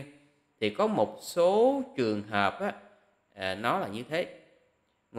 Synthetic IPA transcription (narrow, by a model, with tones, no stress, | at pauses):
t̪ʰi˨˩kɔ˨˦mo˨˩t̚so˨˦t͡ɕɨ˨˩əŋɦəː˨˩p̚ʔaː˨˦˨ | nɔ˨˦laː˨˩ɲɨ˧t̪ʰe˨˦ | ŋ